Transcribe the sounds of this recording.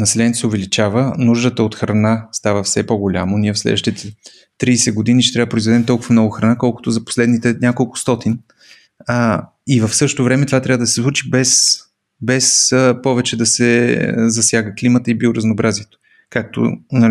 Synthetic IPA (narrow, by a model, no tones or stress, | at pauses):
nɐsɛlɛnʲɛt̪osɛovɛlit͡ʃavənuʒd̪ət̪əot̪xɾɐnast̪avəfsɛpoɡolʲa̰moniɛfslɛ̰d̪əʃt̪it̪ɛ | t̪ɾiːsɛɡod̪iniʃt̪ɛt̪ɾavəpɾoizvɛd̪ɛmt̪ɔlˠkʊvɐmnɔɡʊxɾɐnakɔlˠko̥t̪ozɐpo̥slɛd̪nit̪ɛnʲjakolˠkʊ̥st̪ɔt̪in | ivɐfsɤʃto̥t̪ovɾɛmɛt̪ovat̪ɾʲavəd̪ɐsɛslˠut͡ʃibɛs | bɛspɔvɛt͡ʃɛd̪ɐsɛ̰zɐsjaɡəklimət̪əibiʊɾəznoːbɾaziɛt̪o̥ | kak̚t̪o̰nɐ